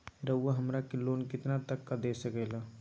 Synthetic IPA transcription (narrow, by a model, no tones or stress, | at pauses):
ɾəʊaɦəmɾakeloːnkɪt̪nat̪əkːad̪eːsəkɛla